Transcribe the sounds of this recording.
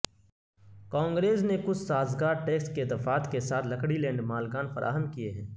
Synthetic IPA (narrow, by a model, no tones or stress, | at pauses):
kãːŋɡɾeːsnekʊt͡ʃʰsaːzɡaːɾʈeːksʈ̚ked̪ɐfaːt̪ʰkesaːt̪ʰlɐkɽilɛ̃ːɳɖmaːlɡaːnfɐɾʔa̰ːɦəmkieɦɛ̃ː